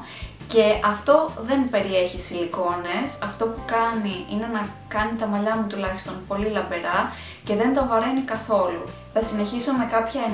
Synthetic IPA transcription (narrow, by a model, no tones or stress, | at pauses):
ce̞ɐft̪o̞ðe̞npe̞ɾie̞çisiliko̞ne̞sɐft̪o̞pukɐniine̞nɐkɐnit̪ɐmɐʎɐmut̪ulɐçi̥st̪o̞npo̞lilɐbeɾɐ | ce̞ðe̞nt̪ɐvɐɾenikɐθo̞lṵ | θɐsine̞çisome̞kɐpçɐe